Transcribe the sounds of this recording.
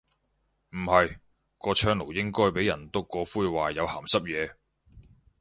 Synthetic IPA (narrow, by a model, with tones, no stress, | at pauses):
m̩˨˩hɐ˨j | kɔː˧t͡ʃʰœː˧ŋlo˨˩wjɪ˥ŋkɔː˥jpe˨˥jːɐ˨˩nt̪ʊ˥kːɔː˨˧fuː˥jwaː˨jɐ˨˧wha̰ː˨˩msɐ˥p̚jɛː˨˧